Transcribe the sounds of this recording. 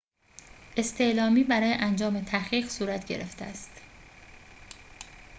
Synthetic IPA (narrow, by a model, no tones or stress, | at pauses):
ʔe̞st̪ʰe̞ʔlɒːmiːbæɾɒːje̞ʔænd͡ʒɒːme̞t̪ʰæχiːɢsuːɾæt̪ʰɟe̞̰ɾeft̪eæ̰st̪